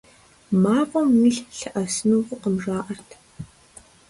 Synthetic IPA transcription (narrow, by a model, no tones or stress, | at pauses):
maːʁʷʼɐmniɬɬɐʔɐsɨnuʁʷʊqəmʐaːʔɐrtʰ